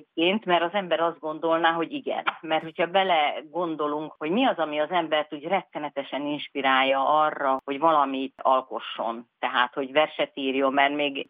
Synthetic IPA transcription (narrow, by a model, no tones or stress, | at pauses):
p̚keːnt̪mɛɾɒzɛmbɛɾɒzd̪ɡo̞nd̪o̞lnaːɦo̞ɟiɡɛ̰nmɛrt̪ho̞cʰhɒbɛlɛɡo̞nd̪o̞luŋkho̞ɟmiɒzɒmiɒzɛmbɛrt̪uːɟrɛt̪ːɛnɛt̪ɛʃɛninʃpiɾaːjːɒʔɒrːɒho̞ɟvɒlɒmit̪ɒlko̞ʃːo̞̰nt̪ɛɦaːt̪ho̞ɟvɛrʃɛt̪iːrjomːɛrmeːɡ